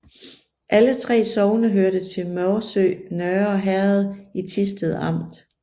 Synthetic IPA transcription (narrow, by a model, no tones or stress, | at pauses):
ʔælət͡sʰʁɛ̰ːsɒʊnəɦøɐɾ̥ət͡sʰe̝lmɒʊsø̰ːnœɐɒ̽ɦæɐð̞̩ˠit͡sʰisd̥əð̩ˠɑ̈m̰d̥